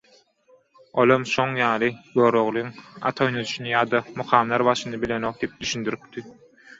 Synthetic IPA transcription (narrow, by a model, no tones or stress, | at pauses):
olˠomʃoŋjɑːlˠɯboːɾoʁlˠuŋɑ̰t̪ʰojnod̪uʃunɯjɑːd̪ɑmuqʰɑːmlˠɑɾbɑʃɯnɯbile̞no̞q̚d̪iip̚d̪yʃynd̪yɾyp̚t̪i